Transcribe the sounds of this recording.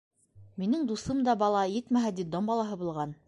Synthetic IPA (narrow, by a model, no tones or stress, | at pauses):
minɘŋd̪usɤmd̪ɑbɑlˠɑjɘt̪mæɦæd̪id̪ombɑlˠɑɦɤbulˠʁɑn